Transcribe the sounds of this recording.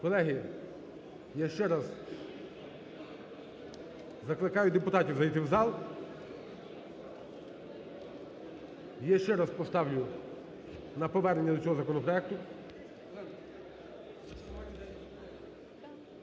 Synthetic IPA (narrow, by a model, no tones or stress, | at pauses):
kɔlˠɛɦi | jaʃt͡ʃɛɾɑz | zɐklˠɪkɑjʊd̪epʊt̪ɑtʲiwzɐjit̪ɪwzɑlˠ | jaʃt͡ʃɛɾaspɔst̪ɑwlʲʊ | nɐpɔʋɛrnenʲːɐd̪ɔt͡sʲɔɦɔzɐkɔnɔpɾɔɛk̚t̪ʊ